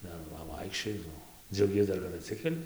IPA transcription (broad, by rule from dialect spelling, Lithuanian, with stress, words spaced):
ˈdɐr ˈʋɐ ˈʋɐɪkʃʲt͡ʃʲoːjɪ ˈnʊ d͡zʲɛʊˈɡʲiɛs ˈdɐr kɐt ɐtʲˈsʲɪkʲɛlʲɪ